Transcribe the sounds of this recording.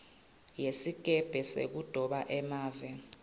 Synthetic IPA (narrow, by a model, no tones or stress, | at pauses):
jesik̬ʼɛb̥ʱɛsḛk̬ud̥ʱɔɓaʔɛmaːvɛ